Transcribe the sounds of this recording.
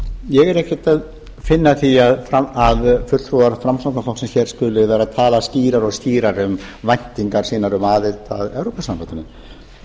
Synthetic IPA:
jɛɣɛɾɛhcɛt̪að | fɪnːaθiaðfɾaaðfʏlt̪ʰɾuðaɾfɾamsawk̪naflɔwksɛmçɛɾ̥skʏːlɪaɾaðt̪ʰaːlasciːɾaɾɔɣsciːɾaɾʏmvajn̥t̪iŋkaɾ̥siːnaɾʏmaːðɪt̪aðɛwɾopasamfant̪ʏnʏ

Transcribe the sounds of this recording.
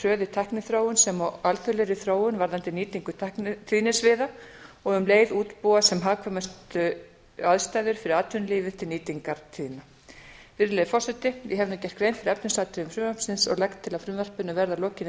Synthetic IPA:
rœːðɪt̪ʰahknɪθɾoːwʏnsɛmɔalθʏleɾɪθɾoːwʏnvaɾðant̪ɪniːt̪iŋkʏt̪ʰahknt̪ʰiðnɪsvɪːðaɔɣʏmleːjðuːt̪puasɛmɦaːvkʰvœmast̪ʏ | aðst̪ajðʏɾ̥fɪɾɪɾaːt̪ʰʏnliːvɪt̪ʰɪlniːt̪iŋkaɾ̥t̪ʰiðna | vɪɾlɛjðɪfɔr̥sɛt̪ɪjɛɦɛvnʏcɛr̥t̪kɾejnfɪɾɛpnɪslaːt̪ɪɾʏmfɾʏmḁsɪnsɔ̰ɣlɛkt̪ʰːɪlaðfɾʏmvɛr̥pʏnːavɛɾðalɔːcɪn

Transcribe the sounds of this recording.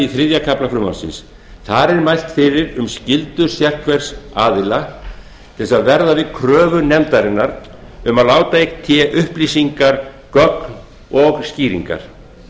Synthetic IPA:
iθɾɪðjakʰaplafɾʏːma̰nsɪ̰ns | θaɾɛɾmajl̥t̪fɪɾɪɾʏmscɪlt̪ʏ̥sjɛr̥kʰvɛɾ̥saːðɪla | t̪ʰɪlsaðvɛɾðavɪðkʰɾœːvʏnɛmt̪aɾɪnːaɾ | ʏmaðlaːwt̪aekt̪ʰɛʔʏhpliːsiŋkaɾ̥ | kœkn | ɔɣsciːɾḭŋka̰ɾ̥

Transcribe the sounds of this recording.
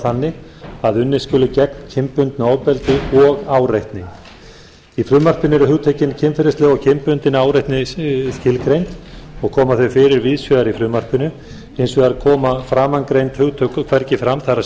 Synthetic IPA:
θanːɪaðʏnːɪskʏːlʏcɛkncʰɪmpʏnt̪naoːwpɛlt̪ɪɔɣaːwɾajht̪nɪŋ | ifɾʏːmar̥pɪnʏɛɾʏhʏɣt̪ʰœcɪncʰɪmfɪɾɪst̪lɛɣɔɣcʰɪmpʏnt̪ɪnaːwɾejht̪nɪscɪlkɾejnt̪ɔɣkʰɔːmaθœɥfɪɾɪɾvɪðsjœðaɾifɾʏːmar̥pʏnʏ | ejnsvɛðaɾkʰɔːmafɾaːmankɾejnt̪hʏɣt̪ʰœkʏkʰvɛɾcɪfɾamθaɾa

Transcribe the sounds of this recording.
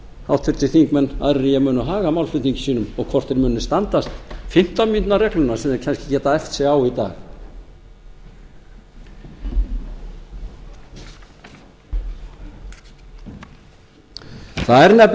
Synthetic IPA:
hawht̪fɪɾ̥t̪ɪθiŋkmɛnːa̰ðɾɪɾɪjɛmʏːnʏɦaːɣamawlfʏt̪niɲcɪ̥siːnʏmɔɣkʰvɔr̥t̪ɛɾmʏːnːʏst̪ant̪ast̪fɪn̥t̪amint̪narɛknʏnasɛmɛɾcʰɛnscɪ̥cɛːt̪aɛft̪sɛawit̪a̰ːɣ | θaɛɾnɛp

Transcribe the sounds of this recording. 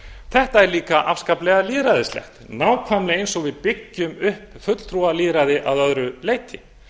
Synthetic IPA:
θɛht̪aɛɾliːkaʔafskaplɛɣaliːðɾaðɪst̪lɛ̰xt̪naːwkʰvajmlɪejnsɔɣvɪðpɪcːʏmʏhpfʏt̪l̥t̪ʰɾualiːðɾaðɪʔaðœðɾʏleːjt̪ʰɪ

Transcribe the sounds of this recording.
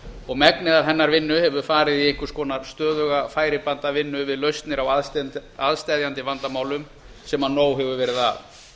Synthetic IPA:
ɔɣmɛknɪðaɾɦɛnːaɾvɪnːʏhɛvʏ̥faːɾɪðieŋ̥kʏ̥skɔːnaɾst̪œːðʏɣafaːjɾɪpant̪avɪnːʏvɪðlœɥst̪nɪɾawaaðst̪ajðjant̪ɪvant̪amaːwlʏm | sɛmanːoːwɦɛvʏvɛːɾɪða̰ð

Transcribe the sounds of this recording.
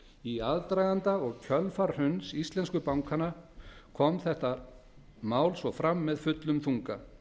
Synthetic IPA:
iaðt̪ɾajɣant̪aɔɣcʰœlfaɾ̥hʏnsist̪lɛnskʏpawŋkʰanakʰɔmθɛht̪a | maːwlsvɔfɾamːɛðfʏt̪lʏmθuŋka̰

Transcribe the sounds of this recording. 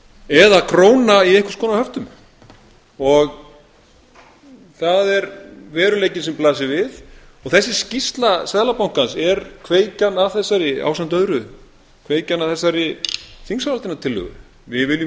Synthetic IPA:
ɛðakʰɾoːwnaiɛhkʏ̥skʰɔnahœft̪ʏm | ɔɣ | θaðɛɾvɛːɾʏleːjcɪnsɛmplaːs̬ɪvɪð | ɔɣθɛsːɪscist̪lasɛðlapawŋ̥kansɛɾkʰveːjcanaðθɛsːaɾɪa̰wfsan̥t̪œðɾʏ | kʰveːjcanaθɛsːaɾɪθiŋsaalt̪ɪnat̪ʰɪlːœ̰ɣʏ̰ | vɪvɪljʏ

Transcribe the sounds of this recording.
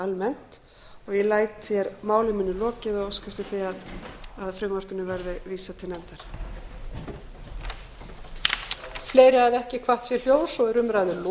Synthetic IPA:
almɛn̥t̪ | ɔɣjɛlaːjt̪θjɛɾmaːwlɪmiːnːʏlɔːcɪðɔɣskʏft̪ɪθiaðaðfɾʏŋvaspɪnːɪvɛɾðɪviːsat̪ʰɪlnɛnt̪aɾ̥ | fleːjɾɪaðɛhcɪkʰvaht̪sjɛɾ̥ljoːwsɔɣɛɾʏmɾajðʏl

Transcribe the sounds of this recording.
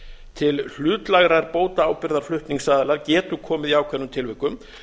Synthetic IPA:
t̪ʰɪll̥ʏːt̪laɣɾaɾpoːwt̪aaːwpɪɾðaɾ̥flʏht̪niŋsaːðɪlaɾcɛːt̪ʏkʰɔːmɪðiaːwkʰvɛnːʏmt̪ʰɪlvɪhkʏm

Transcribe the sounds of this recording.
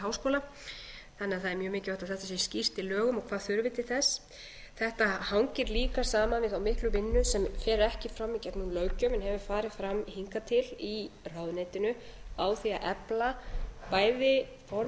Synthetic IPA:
ɦawskoːla | θanːɛaðθaðɛɾmjœːmɪːcɪɾvajht̪aðθɛht̪asiscir̥t̪ɪlœːɣʏmɔkʰvaːðθʏɾvɪt̪ʰɪɾ̥θɛs | θɛht̪ahawŋcɪɾliːkḁsaːmanvɪðθawmɪhklʏvɪnːʏsɛmfɛːɾɛhcɪfɾamːicɛt̪nunlœːɥcœmɛnɦɛvʏ̥faːɾɪðfɾamːihiŋkat̪ʰɪlirawðneːjt̪ɪnʏawθiaʔɛplapaːjðɪ | fɔɾ

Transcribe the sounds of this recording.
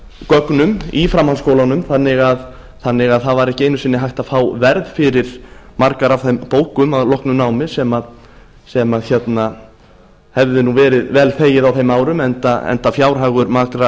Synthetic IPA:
kœknʏmifɾamhanskoːwlanʏmθanːɪɣað | θanːɪɣaðθaðvaɾɛhcɪejnːʏsɪnːɪɦajht̪aðfaːwvɛɾðfɪɾɪɾ̥maɾkaɾav̥θejmpoːwkʏmaðlɔhknʏnaːwmɪsɛmað | sɛmaðçɛt̪na | hɛvðɪnuvɛːɾɪðvɛːlθeːjɪðawθejmaːwɾʏmɛnt̪aɛ̰nt̪afjaːwɾ̥ɦaːɣʏɾmakɾa

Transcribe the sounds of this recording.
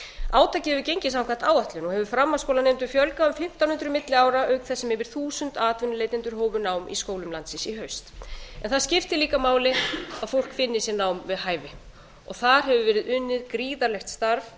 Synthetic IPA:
aːwt̪ʰacɪɛvʏcejɲcɪs̬amkʰvaht̪aːwaht̪lʏnuhɦɛvʏfɾamːaskowlanejmt̪ʏfjœlkaʏmfɪm̥t̪awnʏnt̪ɾʏmɪt̪lɪaːwɾaœɥkθɛsːɛmhɛvɪɾ̥θuːsʏnt̪aːt̪vɪnʏlejt̪ɪnt̪ʏɾ̥ɦoːwvʏnaːwmʔḭskoːwlʏmlant̪sɪsiɦœɥst̪ɛnθaðscɪft̪ɪliːkamaːwlɪaðfowl̥kfɪnːɪsɛɾnaːwmvɪðɦaːjvɪ | ɔɣθaɾ̥ɦɛvʏvɛːɾɪðʏnːɪðkɾiːðaɾlɛxt̪st̪aɾv

